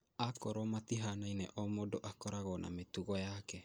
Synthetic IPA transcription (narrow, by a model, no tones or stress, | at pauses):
akɔɾɔmat̪iɦanainɛʔɔmodoʔakɔɾaɣɔna̰met̪uɣɔjakɛ